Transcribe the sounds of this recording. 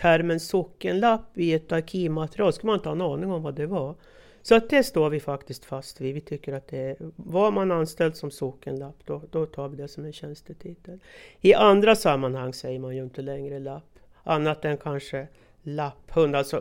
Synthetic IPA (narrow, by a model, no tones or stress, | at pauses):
tʰæɾmɛnsɔkːənlapːɪɛt̪aɾkʰiːmat̪ɛɾɪɑːlskɵlmnɪnt̪əhɑɛnɑːnɪŋɔmvad̪ɛva | sɔat̪̚d̪ɛʂt̪oːɾvɪfakt̪ɪst̪fast̪vɪvɪt̪ʰʏkːəɾat̪̚d̪ɛɾvamananst̪ɛld̪sɔmsɔkːənlapːd̪̥ɔd̪̥ɔt̪ʰɑːɾvɪd̪ɛsɔmɛnɕɛnst̪ət̪ʰɪt̪ːəlɪʔand̪ɾasamːanhaŋːsɛjːəɾmanjɵɪnt̪əlɛŋɾəlapː | ʔanːat̪ɛnkʰanʂə | lapːhɵnd̪alsɔ